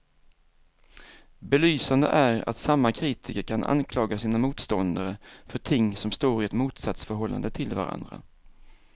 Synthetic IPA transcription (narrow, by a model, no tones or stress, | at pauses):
bɛlyːsand̪ə̰ʔæɾa̰t̪samːakʰɾiːt̪ʰɪkəɾkʰanʔa̰nkʰlɑːɡasiːnamuːt̪st̪ɔnd̪aɾəfœʈʰɪŋːsɔmst̪oːɾɪɛt̪muːt̪sat̪sfœɾɦɔlːa̰nd̪ət̪ʰɪlva̰ɾa̰nd̪ɾa̰